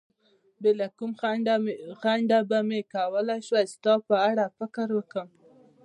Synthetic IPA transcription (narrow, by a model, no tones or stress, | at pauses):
belakum | xaɳɖabamekawəlajʃwast̪ɑpəaɽafɪkəɾwəkəm